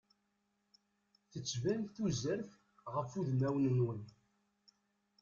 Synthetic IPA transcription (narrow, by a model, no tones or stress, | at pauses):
θət͡sːvænθuzəɾθ | ʁəfuðmæwnənwən